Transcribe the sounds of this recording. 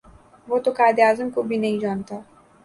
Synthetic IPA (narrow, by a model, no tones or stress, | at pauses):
vot̪ukad̪eazɨnkubinejd͡ʒant̪a